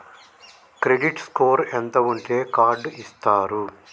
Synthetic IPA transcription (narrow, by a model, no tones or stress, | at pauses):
kɾeɖiʈskoːɾent̪ɐuɳʈe̞ːkaːɾɖist̪aːɾu